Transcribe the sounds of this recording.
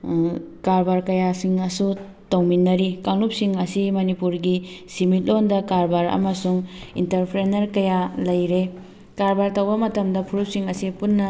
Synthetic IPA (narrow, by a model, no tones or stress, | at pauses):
kaɾbaɾkɐjasiŋɐsu | towminːɐɾikaŋlup̚siŋɐsimɐnipuɾɡisimit̚londɐkaɾbaɾɐ̰mɐsuŋintɐɾpʰɾenɐɾkɐjalɐjɾe | kaɾbaɾtɐwbɐmɐtɐmdɐpʰuɾup̚siŋɐsipunːɐ